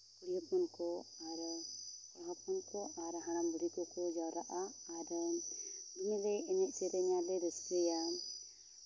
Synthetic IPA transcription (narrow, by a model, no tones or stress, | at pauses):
kuɽijapɔnkɔaɾkɔɦapɔnkɔʔaɾɦaɽ̃ambuɾikɔkɔd͡ʒawɾaʔaaɾ | d̪inilɛɛɲɛʔ̚sɛɾɛɲalɛɾisɛja